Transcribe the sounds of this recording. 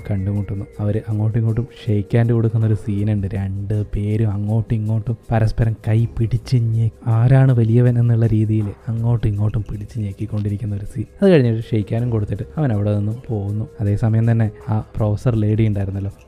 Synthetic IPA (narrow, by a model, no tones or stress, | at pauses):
kɐɳɖumuʈːunːuɐʋɐɾɨʔɐŋːo̞ːʈːiŋːkːoʈːumʂejkʲːaːndɨko̞ɽukːunːɐo̞ɾusiːnuɳɖɨɾeɳɖɨpe̞ːɾumɐŋːo̞ːʈːuiŋːo̞ːʈːumpɐɾɐspɐɾɐmkɐjpiɽit͡ɕːɨɲeaːɾaːɳɨʋɐlijɐʋɐnenːuɭːɐɾiːðijilɐŋːo̞ːʈːiŋːo̞ːʈːumpiɽit͡ɕːɨɲejkːikːo̞ɳɖiɾikʲːunːɐo̞ɾusiːnɐðɨkɐɻiɲːiʈːɨʂejkʲːaːnumko̞ɽut̪ːiʈːɨɐʋɐnɐʋiɽenonːumpo̞ːɣunːuɐðe̞ːsɐmɐjɐmt̪ɐnːe̞aːproːfɐsɐrle̞ːɽijuɳɖaːjiɾunːɐlːo̞ː